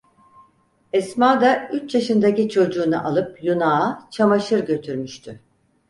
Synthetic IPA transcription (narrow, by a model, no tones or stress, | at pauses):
ɛsmaːd̪ayt͡ʃjaʃɯnd̪acit͡ʃʰo̞d͡ʒuːnɯ̰ʔalˠɯpjunaːt͡ʃʰamaʃɯɾɟø̞t̪ʰyɾmyʃt̪ʰy